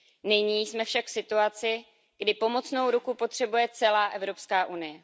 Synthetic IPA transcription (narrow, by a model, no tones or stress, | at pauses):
nɪɲiːsmɛfʃakfsɪt̪uat͡sɪ | ɡ̥dɪpo̞mo̞tt͡sno̞wɾukupo̞t̪r̝̥ɛbujɛt͡sɛlaːʔɛvɾo̞pskaːʔunɪjɛ